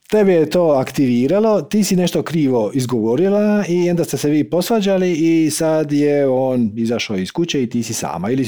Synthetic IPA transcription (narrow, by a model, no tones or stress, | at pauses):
t̪ebɛjet̪o̞ːakt̪iʋiːɾalo̞t̪iːsine̞ʃt̪o̞kɾiːʋo̞izɡoʋoɾilaio̞nd̪ast̪eseʋiːpo̞sʋad͡ʑaliisad̪jeo̞ːnizaʃaiskut͡ɕeit̪iːsisa̰ːma̰ili